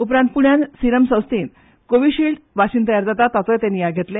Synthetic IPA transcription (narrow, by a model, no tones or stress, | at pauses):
upɾãnt̪̚puɳjansiɾəmsə̃w̃st̪iːn | koʋiːɕiɭʈʋaɕiːnt̪̬əjaɾd͡zat̪at̪at͡sɔjt̪aniːjaɡʱet̪le